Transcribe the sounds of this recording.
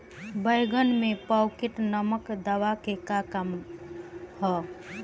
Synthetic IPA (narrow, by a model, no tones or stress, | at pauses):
bəjɡənmepəwkeʈnəməkd̪aʋakekakam | hɔ